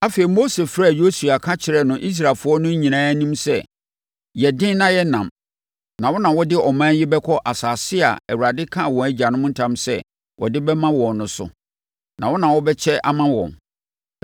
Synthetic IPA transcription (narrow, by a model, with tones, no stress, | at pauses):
a˦feː˨i˨mo˦se˨fɾa˦˨jo˦su˨a˨kʰã˦t͡ɕʰɪ˨ɾɛ˦nʊ̃˨ʔi˦s̬ɾa˨fʊ˦ɔ˦nʊ̃˦ɲ˦ɲĩ˨nãː˦æ˦nĩ˦msɛ˦ | jɛ˨dɪ̃˦n˦nã˦jɛ˦nã˨m | nã˨wɔ˦nã˨wɔ˦dɪ˦ɔ˨mãː˦n˦jɪ˦bɛ˦kʰɔ˦ʔa˨saː˨sɪ˦a̰˨æ˨wu˨ɾa˨dɪ˦kʰã˦˨wɔ̃˨æ˦d͡ʑa˨nʊ̃˦m̃˦n̩˦tʰã˦msɛ˦ | wʔɔ̰˨dɪ˦bɛ˦mã˦wɔ̃˨nnʊ̃˨sʊ̰˦ | nã˨wɔ˦nã˨wɔ˦bɛ˦t͡ɕʰɛ˦ʔa̰˦mã˦wɔ̰̃˨n